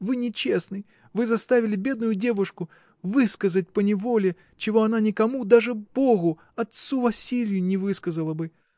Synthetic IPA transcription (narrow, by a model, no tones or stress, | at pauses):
vɨnʲɪt͡ɕesnɨj | vɨzast̪avʲɪlʲɪbʲed̪̚nʊjʊdʲevʊʂkʊ | vɨskəzət̚ʲpənʲɪvolʲɪ | t͡ɕɪvoɐnanʲɪkamud̪aʐɨb̥oɣʊ | ɐt̪suvɐsʲilʲɪjʊnʲɪvɨskəzəlˠəbɨ